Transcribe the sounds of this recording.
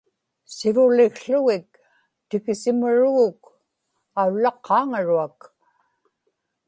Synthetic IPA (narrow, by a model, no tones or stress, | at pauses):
sɪvʊlɪɣɬʊɣɪk̚ | t̪ɪkɪsɪmʊɻuɣʊk | aulːɑqʰːɑːŋaɻuak